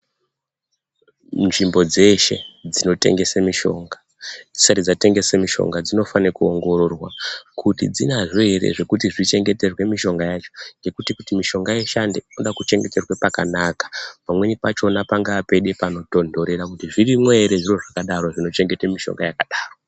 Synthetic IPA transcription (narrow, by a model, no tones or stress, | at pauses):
nʐimbo̞d͡ze̞ʃe̞̰d͡zino̞te̞̰ŋɡe̞semiʃo̞̰ŋɡa | d͡zisarid͡zate̞ŋɡe̞semiʃo̞̰ŋɡad͡zino̞fanekuoŋɡo̞ɾo̞rwakutḭd͡zinaʐoeɾe̞̰ʐe̞kutiʐit͡ʃe̞ŋɡe̞te̞rwe̞miʃo̞ŋɡajat͡ʃo̞̥ŋɡe̞kutikutimiʃo̞ŋɡajeʃande̞inoɗakut͡ʃe̞ŋɡe̞te̞rwepakanakḁpamwe̞nipat͡ʃo̞napaŋɡaːpe̞ɗe̞pano̞to̞ndo̞ɾe̞ɾakutiʐirimweeɾe̞ʐiro̞ʐakaɗaɾo̞ʐino̞t͡ʃe̞ŋɡe̞temiʃo̰ŋɡajakaɗaːro